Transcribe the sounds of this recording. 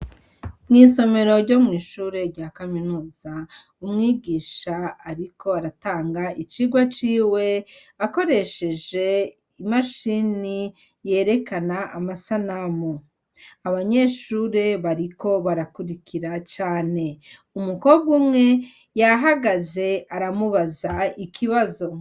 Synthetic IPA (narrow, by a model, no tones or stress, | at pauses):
mŋiːso̞me̞ɾo̞ɾɟo̞mŋiːʃuːɾe̞ɾɟaːkaminuːz̥a | umŋiːɡiːʃaːɾikʰo̞aɾataːŋɡait͡ʃiɡwat͡ʃiːwe̞ako̞ɾe̞ʃe̞ʒe̞ | imaʃini | je̞ːɾe̞kanaʔamasanamo | aβaɲe̞ʃuɾe̞βaɾiko̞βaɾakuɾikʰiɾat͡ʃaːne̞ | umuko̞b̚ɡumŋe̞ | jaɦaɡaze̞aɾamuβazaikʰiβazo̞